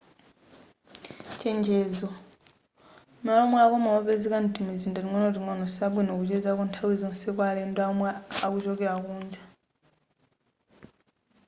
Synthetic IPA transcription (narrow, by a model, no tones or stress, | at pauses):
ceːɲɟezo | malomwakomawoβezekantimiziːndaɾiŋonotiŋonosabwenokucezakuːntʰawezoːnsekwaleːndamwaakucokeakuːɲɟḁ